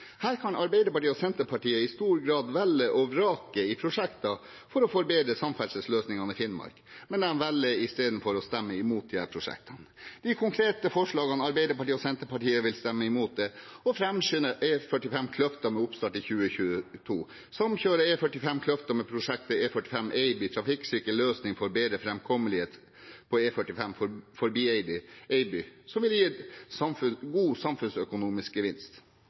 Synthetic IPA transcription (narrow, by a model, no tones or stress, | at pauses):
hæːɾkʰɑnɑɾbæɪd̪əɾpɑʈiːɔsɛnt̪əɾpʰɑʈiːəɪst̪uːɾɡɾɑːd̪ʋælːəʔɔɾɑːkəɪpʰɾʊʂɛkt̪ɑ | fɔɾɔfɔɾbeːd̪ɾəsɑmfɛlsəsløːsnɪŋɑnəɪfɪnmɑ̰ɾkmɛnɛnʋɛlːəɪst̪eːd̪n̩fɔɾɔst̪ɛmːəɪmuːt̪̚d̪ɪhæ̰ːɾpʰɾʊʂɛ̰k̚t̪ʰɑnd̪̥ɪkʰʊŋkʰɾeːt̪əfɔʂɭɑːɡɑnɑɾbeɪd̪əɾpɑʈiːɔsɛnt̪əɾpɑʈiːəʋɪlst̪ɛmːəɪmuːt̪̚d̪ɛɔfɾɛmɕʏnəʔefœʈɪfɛmkʰlœft̪ɑmɛʊpst̪ɑʈɪçʉːəçʉːət̪ʰṵː | sɑmçøːɾəeːfœʈɪfɛmkʰlœft̪əmɛpʰɾʊʂɛk̚t̪əeːfœʈːɪfɛmeɪbɪt̪ʰɾɑfɪksʏkəløːsnɪŋfɔɾbeːd̪ɾəfɾɛmkʰɔməlɪheːt̪ | pʰɔeːfœʈːɪfɛmfɔfɔɾbiːeɪbɪʔeɪbʏsɔmʋɪljiːɑmfʉɡuːsɑmfʉnsœkʊnuːmɪsk̚ɡəʋɪnst̪